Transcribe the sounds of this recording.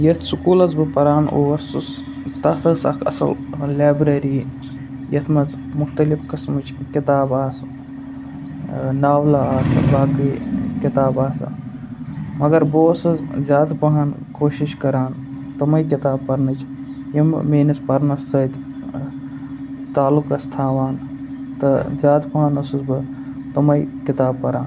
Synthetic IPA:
jɐt̪ʰsukuːlɐzbɨpɐɾaːnʔo̰ːʋɐɾsus | t̪ɐt̪ɨsɐ̰kʰɐ̰sɐ̰llaːbɾeɾiː | jɐt̪ʰmɐz | mʊxt̪ɐlifkɨsmɨt͡ʃʰkit̪aːbaːs | naːwlaaːsbaːkikit̪aːbaːsa̰ | mɐɡɐɾboːsɐzzʲjaːd̪pɐɦan | koːʃiʃkɐɾaːn | t̪ɐmɐjkit̪aːbpɐɾnɨt͡ʃʰ | jimmeːnɐspɐɾnɐsɐt̪ | t̪aːlukɐst̪ʰaːʋaːn | t̪ɐzʲjaːd̪pɐɦɐnɐsuzbɨ | t̪ɐmɐjkit̪aːbpɐɾaːn

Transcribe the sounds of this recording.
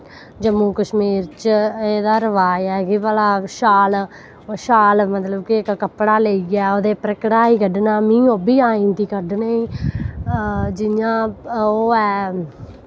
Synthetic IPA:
d͡ʒəmũːkəʃmiːɾt͡ʃeːd̪aːɾəʋaːjɛːkɪʋaːlaːʃaːlː | ʃaːlmət̪ləbkɪkkəpːɽaːleːiɡɛːoːd̪eːpɾəkɽaːiːkəɖnaːmĩːoːbiːaːĩːnt̪iːkəɖneiː | d͡ʒɪjãːoːɛː

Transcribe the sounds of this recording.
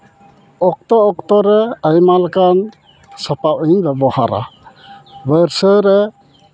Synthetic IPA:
ɔk̚t̪ɔːkt̪ɔɾɛajmalkʰan | sapawinbebɔha̰ɾa̰ | bəɾsəɾɛ

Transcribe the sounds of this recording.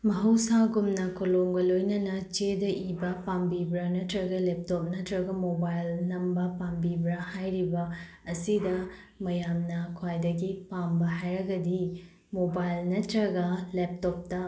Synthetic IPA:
mɐɦɐwsaɡumnɐkʰoloŋɡɐlojnɐnɐt͡ʃedɐʔibɐpambibɾɐnɐtɾɐɡɐlep̚tɔp̚nɐtɾɐɡɐmobajlnɐmbɐpambibɾɐhajɾibɐ | ɐsidɐ | mɐjamnɐkʰwajdɐɡipambɐɦajɾɐɡɐdi | mobajlnɐtɾɐɡɐlep̚tɔp̚tɐ

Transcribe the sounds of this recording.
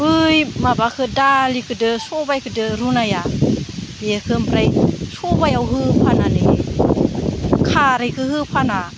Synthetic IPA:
ɯjmabakʰɯdalikʰɯdɯsɔbajkʰɯdɯɾunaja | beekʰɯmpɾajsobajawɦɯpʰanane | kʰaɾajkʰɯhɯpʰana

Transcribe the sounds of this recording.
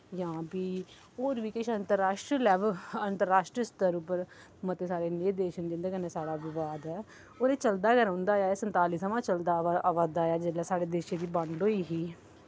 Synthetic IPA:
jãːbiː | oːɾʋiːkɪʃənt̪əɾːaːʃʈɾilɛːʋəənt̪əɾːaːʃʈɾiəst̪əɾupəɾ | mət̪eːsaːɾeːneːd̪eːʃənd̪ɪ̃nd̪eːkənɛːsaːɽaːbɪʋaːd̪ɛː | oːneːt͡ʃəld̪aːɡəɾãːnd̪aːjaːeːsənt̪aːliːsəmãːt͡ʃəld̪aːʋaːd̪aːjaːd͡ʒeːlaːsaːɽeːd̪eːʃẽːd̪iːbəɳloːiːɦiː

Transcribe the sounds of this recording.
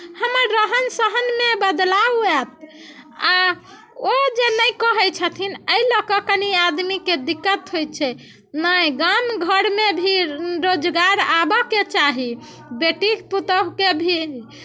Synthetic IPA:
həməɾːəɦənsəɦənmebəd̪lawɛt̪̚ʰ | a | od͡ʒenəjkəɦɛt͡ʃʰət̪ʰinəiləkəkəniad̪miked̪ikːət̪ɦojt͡ʃʰɛ | nəjɡamɡʱəɾmebʱiɾod͡ʒɡaɾabəket͡ʃaɦi | beʈikput̪əɦkebʱi

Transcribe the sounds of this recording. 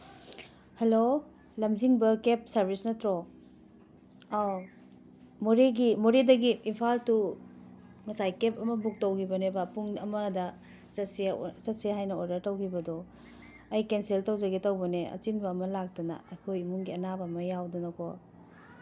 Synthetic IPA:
hɐlo | lɐmziŋbɐkep̚sɐɾbʱisnɐtɾo | moɾeɡimoɾedɐɡiːnpʰaltu | ŋɐsajkepɐmɐbuk̚tɐwkʰibɐnebapuŋɐmɐdɐ | sɐset͡ʃɐt̚seɦajnɐodɐɾtɐwkʰibɐdɔ | ɐjkenseltɐwzɐɡetɐwbɐneɐ̰t͡ʃinbɐːmɐlak̚tɐnɐ̰ɐkʰojmuŋɡiɐnabɐmɐjawdonɐkʰo

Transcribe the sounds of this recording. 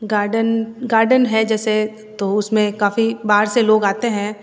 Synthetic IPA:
ɡaːɖənɡaːɾɖənɦɛd͡ʒɛːse | t̪oʊsmẽkaːfibaːɾseloːɡaːt̪eɦɛ̃

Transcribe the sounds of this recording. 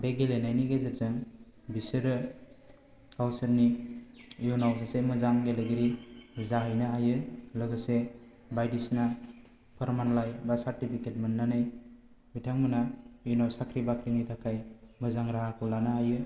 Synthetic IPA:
beɡelenajniɡezazɯŋ | bisɯɾɯ | kawsɐɾni | junawsasemɯzaŋɡeleɡiɾizaɦɯjnaajɯlɯɡɯse | bajdisna | pʰəɾmanlajbasaɾtipʰiket̚mɯnːanɯj | bitʰaŋmɯnajunawsakʰɾibakʰɾinitʰakʰajmɯzaŋɾaɦakʰulanaajɯ

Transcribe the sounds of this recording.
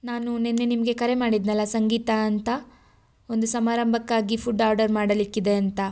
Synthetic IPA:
naːnunenːenimɐɡe̞kɐɾe̞maːɽid̪nɐlːɐsɐŋɡiːt̪ɐːnt̪ɐ | o̞nd̪usɐmaːɾɐmbʱɐkːaːɡipʰuɖaːɾɖɐɾmaːɽɐlikːid̪e̞ɐnt̪ɐ

